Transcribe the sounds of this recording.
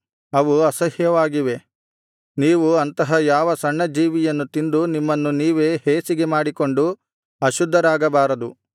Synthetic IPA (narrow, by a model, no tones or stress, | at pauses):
ɐʋuɐsɐɦjɐʋaːɡiʋe̞ | niːʋuɐnt̪ɐɦɐjaːʋɐsɐɳːɐd͡ʒiːʋijɐnːut̪ind̪unimːɐnːuniːʋe̞ːheːsiɡe̞maːɽiko̞ɳɖu | ɐʃud̪ʱːɐɾaːɡɐbaːɾɐd̪u